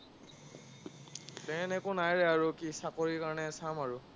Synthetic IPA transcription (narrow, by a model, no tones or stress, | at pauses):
tɛnɛkʊnajɹɛaɹukisakoɹikaɹɔnɛsamaɹʊ